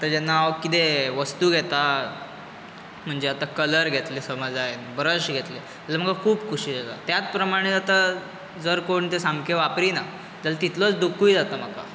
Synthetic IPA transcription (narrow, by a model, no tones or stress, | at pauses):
at̪əɾd͡ʑanːaaʋkit̪eʋəst̪uːɡʱɛt̪a | m̤əɳd͡ʑeat̪akələɾɡʱet̪lesəməd͡zaɦenbəɾəɕɡʱet̪le | əlam̤əkakʰuːbkʰuɕiːd͡zat̪a̰t̪jat͡s̪pɾəmaɽ̃et͡sat̪a | d͡zəɾkoɳt̪esamkʰeʋapɾiːna | d͡zəlat̪it̪lot͡sd̪ukujd͡zat̪am̤aka̰